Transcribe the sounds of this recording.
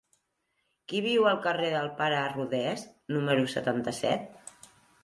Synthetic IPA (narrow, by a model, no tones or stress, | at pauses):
kiβ̞iwəlˠkəreðəlˠpaɾəːruðɛsnuməɾusə̰t̪ant̪əsɛ̰t̪̚